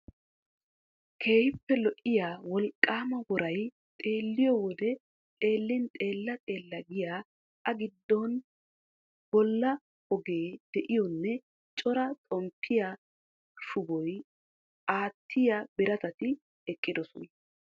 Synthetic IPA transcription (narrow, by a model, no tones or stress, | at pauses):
kʰe̞ːhɪpːɛlɔʔːɪjaːwɔlkʼːaːmɐwɔɾɐj | t̪ʼe̞ːlːɪjɔwɔd̪ɛ | t̪ʼe̞ːlːɪnt̪ʼe̞ːlːɐt̪ʼe̞ːlːɐɡɪjaː | ʔɐɡɪd̪ːɔn | b̥ɔlːɐ | ɔɡe̞ːd̪̥ɛʔɪjɔnːɛ | t͡ʃʼɔɾɐt̪ʼɔmpʰːɪja | ʃʊbɔj | ʔaːt̪ʰːɪjabɪɾɐt̪ɐt̪ɪ | ɛkʼːɪd̪ɔsɔnɐ